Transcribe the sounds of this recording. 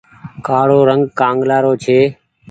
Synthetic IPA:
kaːɽoːɾəŋɡkãːŋɡlaːɾoːt͡ʃʰeː

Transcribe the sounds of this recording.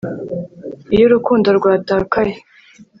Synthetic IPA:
ijoɾukuːndoɾɡwaːtaːkaje

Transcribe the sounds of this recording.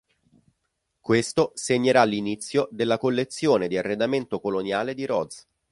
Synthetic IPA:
kwest̪oseɲːeɾalːinit̪sːjod̪elːakolːet̪sːjoːned̪iarːed̪ament̪okolonjaːled̪iɾɔd̪z

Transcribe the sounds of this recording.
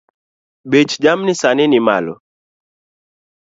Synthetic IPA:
bet͡ʃd͡ʒamnisaninima̰lɔ̰

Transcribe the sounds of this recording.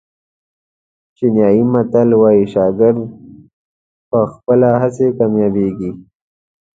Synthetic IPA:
t͡ʃinjɑjimat̪alwɑjiʃɑɡɪɾd̪̚ | pəxpəlaɦasekamjɑbeɡi

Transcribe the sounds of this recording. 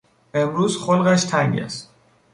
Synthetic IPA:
e̞mɾuːzχolɣæʃt̪ʰæŋɟæ̰st̪

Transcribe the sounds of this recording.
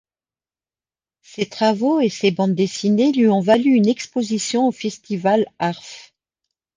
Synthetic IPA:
set̪χavoesebɑ̃d̪d̪esinelɥiɔ̃valyynɛkspozisjɔ̃ofɛst̪ivalaʁf

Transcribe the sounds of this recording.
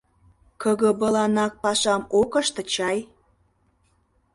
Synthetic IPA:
kəɣə̆bə̆lɑnɑk̚pɑʃɑmokə̆ʃt̪ə̆t͡ɕɑj

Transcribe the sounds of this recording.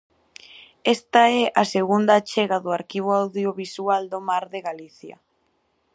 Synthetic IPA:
ɛst̪aɛʔaseɣund̪at͡ʃɛɣaðoaɾkiβ̞oawðjoβisuald̪omaɾðeɣaliθjɐ̰

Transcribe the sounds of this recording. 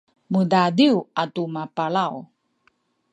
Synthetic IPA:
mədadiwatumapaɭaw

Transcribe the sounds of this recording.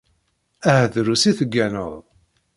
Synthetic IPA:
æhðɾusiθəɡːænə̰ðˤ

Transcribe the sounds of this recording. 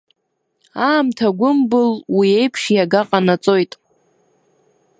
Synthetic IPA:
aːmtʰaɡʷʊmbɨlwie̞jpʰʂjaɡaqʼanat͡sʼo̞jtʼ

